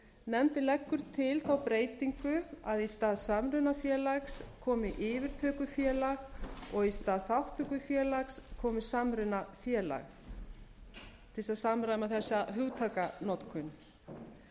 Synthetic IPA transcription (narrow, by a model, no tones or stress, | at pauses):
nɛmt̪ɪlɛkːʏɾ̥t̪ʰɪlθawpɾeːjt̪iŋkʏaðist̪aːðsamɾʏnafjɛːlaxskʰɔːmɪʔɪːvɪɾ̥t̪ʰœːkʏfjɛːlaɣɔɣist̪aːðθawht̪ʰœkʏfjɛːlakskʰɔːmɪsamɾʏnafjɛːla̰ɣ | t̪ʰɪlsasamɾaðmaθɛsːaɦʏɣt̪ʰakanɔt̪kʰʏn